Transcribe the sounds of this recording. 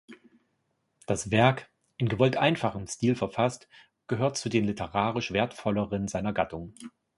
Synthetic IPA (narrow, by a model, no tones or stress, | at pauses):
d̥asv̥ɛɐk | ʔɪnɡəvɔltʔaɪnfaχəmstiːlfɛɐfast | ɡ̥əɦøːɐtt͡sudeːnlɪtʰəʁaːʁ̞ɪʃv̥eːɐtfɔləʁənzaɪnɐɡatʰʊŋ